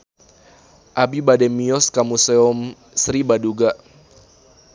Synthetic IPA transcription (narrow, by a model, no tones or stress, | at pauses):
ʔabibadɛmiɔskamuseɔm | sɾibaduɡaʔ